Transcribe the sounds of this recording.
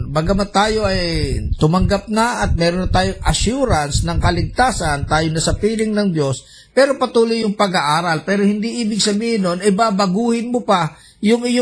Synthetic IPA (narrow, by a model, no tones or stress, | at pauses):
baɡɐmɐt̪aːjo̞ʔɐjt̪ʊmɐŋɡap̚nɐʔɐt̪̚mɛːɾonːɐt̪aːjoŋʔɐʃuːɾɐnsnɐŋkɐlɪɡ̚t̪aːsɐnt̪aːjonɐsɐpiːlɪŋnɐŋd̪jo̞s | pɛːɾo̞pɐt̪uːlʊjːʊŋpɐɡaʔaːɾɐlpɛːɾo̞hɪnd̪iʔiːbɪɡ̚sɐbiːhɪnːonɐjbabɐɡuːhɪnmʊpa | jʊŋɪjo